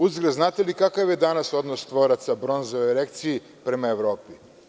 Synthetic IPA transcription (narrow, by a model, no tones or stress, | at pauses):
uzɡɾeznaːt̪elikakaʋjed̪anaso̞d̪nost̪ʋoɾat̪sabɾonzooeɾekt̪sii | pɾemaeʋɾoːpi